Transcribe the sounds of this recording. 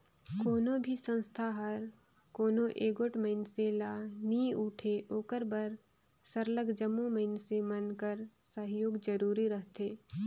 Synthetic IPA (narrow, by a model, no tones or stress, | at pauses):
koːnõbʱisə̃nst̪ʰaɦɐɾ | koːnõʔeːɡoʈməɪnselaːniuːʈʰeʔoːkəɾbəɾ | səɾləɡd͡ʒəmːoməɪnsemɐnkəɾsəɦjoːɡd͡ʒəɾuːɾiɾəɦt̪eː